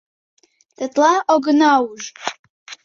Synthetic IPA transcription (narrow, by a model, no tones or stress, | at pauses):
tʰʼatʼlaoɡɨnawʒ